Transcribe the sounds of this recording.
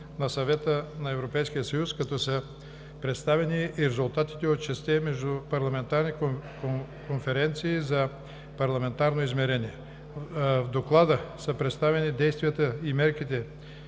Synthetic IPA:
nɐsɐvɛt̪ənɐɛvɾopɛjsk̟ijəsɐjuskɐt̪ɔsə | pɾɛt̪st̪avɛniɾɛzulˠt̪at̪i̥t̪ɛot̪t͡ʃɛst̪ɛmɛʒd̪upɐɾlˠɐmɛnt̪aɾnik | konfɛɾɛnt̪siːzɐ | pɐɾlˠɐmɛnt̪aɾnoizmɛɾɛniɛ | vd̪oklˠad̪əsəpɾɛt̪st̪avɛnid̪ɛjst̪vijət̪əimɛɾk̟it̪ɛ

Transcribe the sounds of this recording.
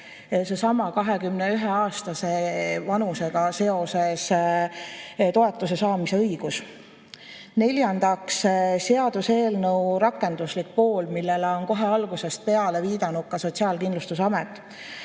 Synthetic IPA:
se̞sɑmɑkɑɦekymneyɦeɑːst̪ɑse̞vɑnuse̞ɡ̥ɑse̞o̞se̞s | t̪o̞e̞t̪ːˑuse̞sɑːmise̞ɤiɡ̥us | ne̞lʲjɑnd̪̥ɑksseɑd̪̥use̞ːlnɤwɾɑkːˑe̞nd̪̥uslik̚po̞ːlmilːe̞leo̞nko̞ɦe̞ɑlɡuse̞st̪̚pe̞ɑle̞viːd̪ɑnuk̪̚kɑso̞t̪ʲsiɑːlkind̪lust̪usɑmet̪ːˑ

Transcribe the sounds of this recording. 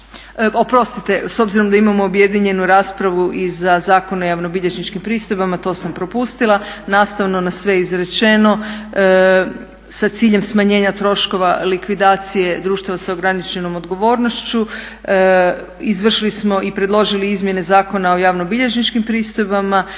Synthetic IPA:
o̞pɾo̞st̪it̪e̞so̞bziɾo̞md̪aimamo̞obje̞d̪iɲe̞nuɾaːspɾaʋuʔizazaːko̞nojaʋnobiʎe̞ʒnit͡ʃkimpɾiːst̪o̞jbamat̪o̞ːsampɾo̞pust̪ilˠanaːst̪aʋno̞nasʋeizɾet͡ʃe̞no̞ | sat̪siːʎe̞msmaɲe̞ːɲat̪ɾo̞ʃko̞ʋalikʋid̪aːt̪sije̞d̪ɾuːʃt̪aʋaseo̞ɡɾanit͡ʃe̞no̞mo̞d̪ɡo̞ʋo̞ːɾno̞ʃt͡ɕu | izʋr̩ʃilismo̞ʔipɾe̞d̪lˠo̞ʒiliizmje̞ne̞zaːko̞nao̞jaʋnobiʎe̞ʒnit͡ʃkimpɾiːst̪o̞jbama

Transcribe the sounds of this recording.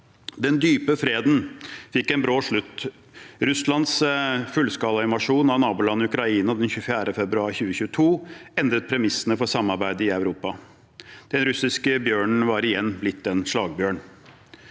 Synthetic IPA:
d̪ɛnd̪yːpəfɾeːd̪n̩fɪkːɛɪnbɾɑːʂɭʉt̪ː | ɾʉslɑnd̪sfʉlskɑːlɑɪʋɑʂuːnɑnɑːpʊlɑnːʉkɾɑiːnɑd̪ɛnçʉːfjæːɾəfɛbɾʉɑːɾçʉːəçʉːət̪ʰuːɛnd̪ɾət̪̚pʰɾɛmɪsːənəfɔsɑmːɑɾbæɪd̪əɪɑʉɾuːpɑ | d̪̥ɛnɾʉsɪskəbjøːɳɳ̩ʋɑːɾɪjɛnːblɪt̪ːɛnʂɭɑːɡbjøːɳ

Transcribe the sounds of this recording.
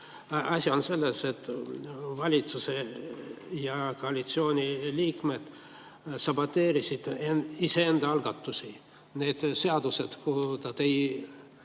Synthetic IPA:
ɑsʲio̞nse̞lːese̞t̪ːˑvɑlʲit̪suse | jɑko̞ɑlʲit̪sio̞ːnʲiliːkme̞d̪̥ | sɑbot̪ːe̞ːɾisid̪̥ise̞end̪̥ɑɑlɡ̥ɑt̪ːusʲi | ne̞ːd̪̥se̞ɑd̪̥use̞d̪̥kuht̪ɑt̪ej

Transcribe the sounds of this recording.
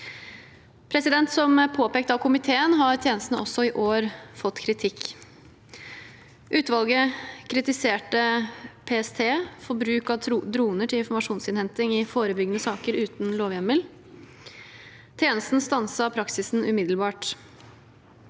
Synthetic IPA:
pʰɾɛsɪd̪ɛnt̪sɔmpʰoːpeːkt̪ɑʋkʰʊmɪt̪ʰeːənɦɑɾt̪ʰjeːnəst̪nəʔɔsːɔɪʔoːɾfɔt̪ːkʰɾɪt̪ʰɪkː | ʔʉːt̪ʋɑlˠɡəkʰɾɪt̪ɪseːʈəpʰeːɛst̪ʰeːfɔɾbɾʉːkɑt̪d̪ɾuːnəʈʰɪlɪnfɔɾmɑʂuːnsɪnhɛnt̪ɪŋɪfoːɾəbʏɡənəsɑːkəɾʉːt̪n̩loːʋjɛməl | t̪ʰjeːnəst̪n̩st̪ɑnsəpʰɾɑksɪsn̩ʉmɪd̪l̩bɑːʈ

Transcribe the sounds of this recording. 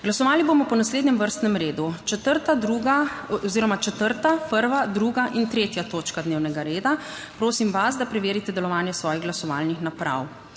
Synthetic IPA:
ɡlasɔʋaːlibomɔpɔnasleːd̪nɛmʋəɾst̪nɛmɾeːd̪ut͡ʃɛt̪əɾt̪ad̪ɾuɡaɔziːɾɔmat͡ʃɛt̪əɾt̪apəɾʋad̪ɾuːɡaʔint̪ɾeːt̪jat̪oːt͡ʃkad̪neːwnɛɡaɾeːd̪apɾoːsimʋasd̪apɾɛʋeːɾit̪ɛd̪ɛlɔʋaːnjɛsʋɔːjiɣɡlasɔʋa̰ːlnixnapɾa̰w

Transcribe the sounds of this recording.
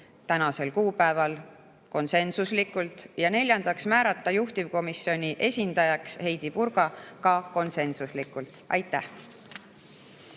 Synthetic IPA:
t̪ænɑse̞lkuːpæevɑl | ko̞nse̞nsuslikˑult̪ˑjɑne̞lʲjɑnd̪̥ɑksmæːɾɑt̪ːˑɑjuht̪ivko̞misːo̞nʲiʔe̞sʲind̪̥ɑjɑkshe̞jd̪̥ipuɾɡ̥ɑkɑko̞nse̞nsuslikult̪ˑɑ̰jt̪ˑːæh

